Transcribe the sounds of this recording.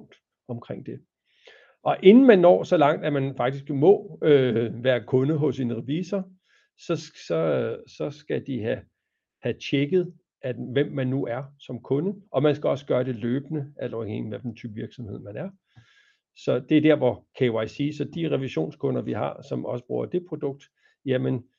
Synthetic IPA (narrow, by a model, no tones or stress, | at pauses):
ŋ̰d̥ | ɒ̽mkʰʁeŋ̰d̥e̝ | ʔɒ̽ʔe̝nn̩mænːɒ̰ːsɒ̽lɑ̈ŋ̰d̥æmænfɑ̈ɡ̥d̥isɡ̥mɔ̽øʋæːɐkʰɔ̽nəɦɔ̽siːnəʁɛʋiːsɐ | sɒ̽sɒ̽sɒ̽sɡ̥æd̥iɦæ | hæt͡ɕʰeɡ̥ð̩ˠ | ʔæʋem̰ːænːuʔæɐsɒ̽mkʰɔ̽nəʔɒ̽mænsɡ̥æɒ̽sə̥ɡ̥ɶːɐd̥e̝løːb̥ənəʔælsɐeɡ̥enʋæd̥ent͡sʰyːb̥əʋiɐɡ̥sɒ̽mhe̝ð̞̰ˠmænæɐ | sɒ̽d̥e̝ɐd̥æɐ̰ʋɒkʰewäɪsiːsɒ̽d̥iʁɛʋiɕo̝̰ːnskʰɔ̽nɐʋiɦɑ̰̈sɒ̽mʔɒ̽səb̥ʁṵːɐ̰d̥e̝pʰʁo̝d̥ɔ̽ɡ̥̚d̥ | jæmən